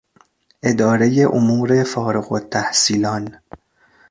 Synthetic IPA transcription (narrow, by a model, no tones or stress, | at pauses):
ʔe̞d̪ɒːɾe̞jeʔomuːɾefɒːɾeɣot̪ʰːæhsiːlɒːn